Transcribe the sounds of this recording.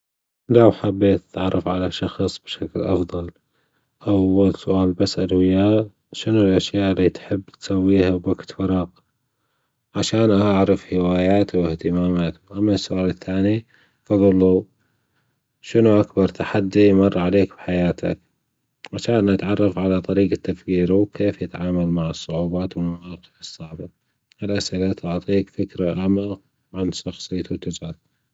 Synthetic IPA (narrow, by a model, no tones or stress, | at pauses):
lawħabːeːt̪ḁt̪ʕɑrˤːɑfʕalaʃɑxsˤb̥ʃaklʔɑ̰fðˤɑl | ʔawːalsʊʔaːlbasːʔad̪wɪjaːʔ | ʃɪnulʔaʃjaːʔɪlːiːt̪ħɪbːt̪sawːiːhabakt̪fɑɾˤɑq | ʕaʃaːnʔaʕɾɑfhɪwaːjaːt̪wɪht̪ɪmaːmaːt̪ʔamːasːʊʔaːlɪθːaːni | fɑðˤʊlːu | ʃənuʔakbɑɾˤt̪ʰaħad̪ːimɑrˤːʕaleːkbħajaːt̪ʰa̰k̚ | ʕaʃaːnʔat̪ʕɑrˤːɑfʕalat̪ˤɑɾiːɡat̪ːafkiːɾuwkeːfjɪt̪ʕaːmalmaʕɨsˤːʊʕuːbaːt̪wlmawɑːqɨ̥ʕɨsˤːɑʕba | ʔɪlʔasʔɪlat̪ʊʕt̪ˤiːkfɪkɾaʔaʕmaːq | ʕanʃɑxsˤɨjːt̪wt̪ːʊd͡ʒʕaːt̪